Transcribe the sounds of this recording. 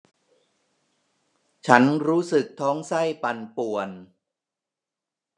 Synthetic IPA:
t͡ɕʰa˦˥nɾuː˦˥sɯ˨˩k̚t̪ʰɔː˦˥ŋsa˥˩jpa˧npu˨˩ən

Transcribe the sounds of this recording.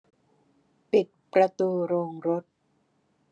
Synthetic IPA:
pi˨˩t̪̚pɾa˧t̪uː˧ɾoː˧ŋɾo˦˥t̪̚

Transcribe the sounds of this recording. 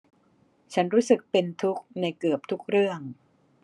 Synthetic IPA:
t͡ɕʰa˦˥nɾuː˦˥sɯ˨˩k̚pe˧nt̪ʰu˦˥k̚na˧jkɯ˨˩əp̚t̪ʰu˦˥k̚ɾɯ˥˩əŋ

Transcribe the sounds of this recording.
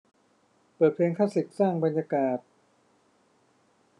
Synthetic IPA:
pɤː˨˩t̪̚pʰeː˧ŋkʰaː˥˩si˨˩t̪̚saː˥˩ŋba˧nja˧kaː˨˩t̪̚

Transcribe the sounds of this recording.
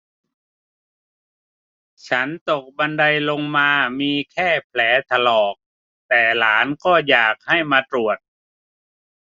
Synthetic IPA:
t͡ɕʰa˦˥nt̪o˨˩k̚ba˧nda˧jlo˧ŋmaː˧miː˧kʰɛː˥˩pʰlɛː˩˦t̪ʰa˧lɔː˨˩k̚ | t̪ɛː˨˩laː˩˦nkɔː˥˩jaː˨˩k̚ha˥˩jmaː˧t̪ɾu˨˩ət̪̚

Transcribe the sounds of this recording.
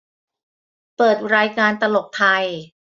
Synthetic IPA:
pɤː˨˩t̪̚ɾaː˧jkaː˧nt̪a˧lo˨˩p̚t̪ʰa˧j

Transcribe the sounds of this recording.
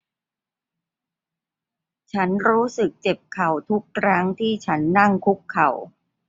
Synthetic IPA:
t͡ɕʰa˦˥nɾuː˦˥sɯ˨˩k̚t͡ɕe˨˩p̚kʰa˨˩wt̪ʰu˦˥kʰːɾa˦˥ŋt̪ʰiː˥˩t͡ɕʰa˦˥nːa˥˩ŋkʰu˦˥kʰːa˨˩w

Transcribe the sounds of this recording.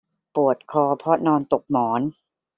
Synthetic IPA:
pu˨˩ət̪̚kʰɔː˧pʰɔ˦˥nɔː˧nt̪o˨˩k̚mɔː˩˦n

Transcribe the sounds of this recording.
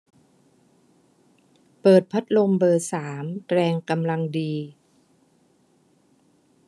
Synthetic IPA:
pɤː˨˩t̪̚pʰa˦˥t̪̚lo˧mbɤː˧˩saː˩˦mɾɛː˧ŋka˧mla˧ŋdiː˧

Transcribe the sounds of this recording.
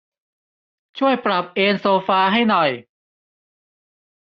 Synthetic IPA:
t͡ɕʰu˥˩əjpɾa˨˩p̚ʔeː˧nsoː˧faː˧ɦa˥˩jnɔ˨˩j

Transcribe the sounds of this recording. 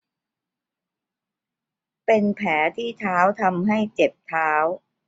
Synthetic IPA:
pe˧npʰɛː˩˦t̪ʰiː˥˩t̪ʰaː˦˥wt̪ʰa˧mɦa˥˩jt͡ɕe˨˩p̚t̪ʰaː˦˥w

